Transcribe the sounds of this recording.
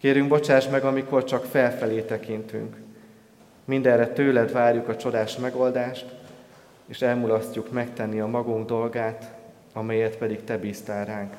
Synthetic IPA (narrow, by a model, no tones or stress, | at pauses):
keːɾyŋɡbo̞t͡ʃaːʃmɛɡɒmiko̞rt͡ʃɒkfɛlfɛleːt̪ɛkint̪y̰ŋk | mind̪ɛrːɛt̪øːlɛd̪vaːrjukɒt͡ʃo̞d̪aːʃmɛɡo̞ld̪aːʃt̪ | eːʃɛlmulɒscːukmɛkt̪ɛnːiɒmɒɡuŋɡd̪o̞lɡaːt̪ | ɒmɛjɛt̪pɛd̪ikt̪ɛbiːst̪aːlraːŋk